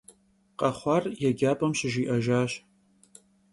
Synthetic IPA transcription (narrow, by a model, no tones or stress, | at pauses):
qʼɐχʷɑrjɛɡʲaːpʼɐmɕɪʒiːʔɐʒaːɕ